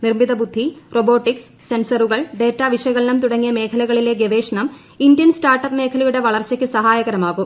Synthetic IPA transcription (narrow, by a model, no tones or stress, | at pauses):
nirmiðɐbud̪ʱːiroboːʈːiksːensɐruɣɐɭɖeːʈːaːʋiʂɐɣɐlnɐmt̪uɽɐŋːijɐme̞ːkʰɐlɐɣɐɭile̞ɡeʋe̞ːʂɐɳɐm | indjɐnsʈaːrʈːɐpme̞ːkʰɐlɐjuɽe̞ʋɐɭɐrt͡ɕɐkʲːɨsɐɦaːjɐɣɐɾɐmaːɣum